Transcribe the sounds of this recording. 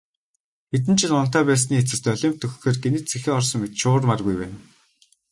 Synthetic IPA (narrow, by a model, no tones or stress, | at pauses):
et̪̬ɘ̆nt͡ɕʰɪ̆ɮʊn̥t̪aːpæːs̬niːet͡sɘ̆st̪œɮʲɪːmt̪ːɵxxeːrɡenɘ̆t͡sʰexeːɔrsɞ̆ŋmet̪ʃʊːrmarɣujpæ̰ːn